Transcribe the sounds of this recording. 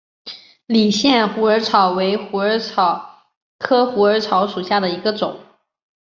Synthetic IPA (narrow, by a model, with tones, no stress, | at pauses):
li˨˩ɕjɛ˥˩nxu˧˥ə˞˧˥ʈ͡ʂʰɑ˧˥ʊwe˧˥ɪxu˧˥ə˞˧˥ɑ˧˩ʊ | kʰɤ˥xu˧˥ə˞˧˥ʈ͡ʂʰɑ˧˥ʊʂu˨˩ɕja˥˩d̪ə˩i˧˥ɡə˧ʈ͡ʂʊ̰˨˩˦ŋ